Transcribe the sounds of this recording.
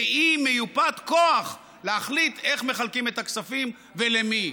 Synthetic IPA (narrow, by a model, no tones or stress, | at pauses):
imejupat̪koaχ | leaχlit̪e̞χme̞χalkimet̪aksafim | velemi